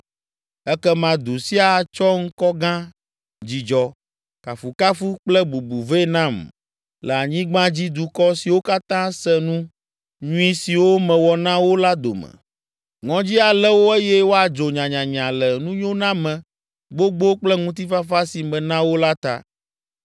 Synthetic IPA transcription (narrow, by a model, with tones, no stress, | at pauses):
ɛ˦kɛ˦mã˨d̪u˨si˦a˨t͡ʃɔ˦ŋ̩˦kɔ˦ɡã˦ | d͡ʑi˨d͡ʒɔ˨ | ka˨fu˨ka˦fu˦k͡plɛ˦bu˨bu˨ve˦nã˦˨m | lɛ˨a˨ɲĩ˦ɡ͡bã˦d͡ʑi˦d̪u˨kɔ˦si˨wo˦ka˦t̪ã˦sɛ˦nũ˦ | ɲũ˦i˦si˨wo˦mɛ̃˨wɔ˨nã˦wo˦la˦d̪o̰˨mɛ̰̃˨ | ŋɔ̃˦d͡ʑi˦a˨lɛ˦wo˦ɛ˦jɛ˦wo˦a˨d͡ʒo˨ɲã˨ɲã˨ɲ˨ã˨lɛ˨nũ˦ɲõ˦nã˦mɛ̃˨ | ɡ͡bo˦ɡ͡bo˦k͡plɛ˦ŋũ˦t̪̬i˦fa˦fa˦si˨mɛ̃˨nã˦wo˦la˦t̪a̰˦